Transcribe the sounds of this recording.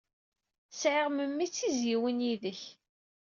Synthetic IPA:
sʕɪʁməmːit͡sːizjiwənjiðəç

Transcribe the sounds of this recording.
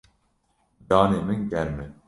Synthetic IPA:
d̪ɑːneːmɨŋɡɛɾmɛ

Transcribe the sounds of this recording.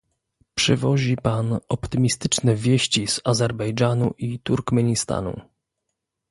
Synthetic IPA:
pʂɘvɔʑipanɔpt̪ɘmʲist̪ɘt͡ʂnɛvʲjeɕt͡ɕiz̥azɛɾbɛjd͡ʐanuʔit̪uɾkmɛɲist̪a̰nṵ

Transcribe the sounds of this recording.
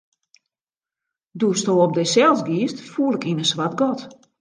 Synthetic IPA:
dustoːɔp̚dɛsɛlˠsɡiːstfuəlˠɪkinəsʋatɡɔt

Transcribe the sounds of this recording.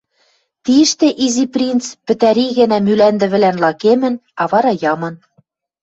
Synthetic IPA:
t̪iɘ̆ʃt̪ĕʔiziprʲint͡spɘ̆t̪æɾiɣɘ̆næmylænd̪ɘ̆βɘ̆lænlɑkemɘ̆nɑβɑɾɑjɑmɤ̆n

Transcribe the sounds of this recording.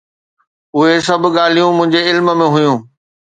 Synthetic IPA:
ʊɦes̬ɐb̆ʱɠaːl̤ijũmʊ̃ɦɪ̃ɲd͡ʑeɪlmə̆mẽɦʊjũː

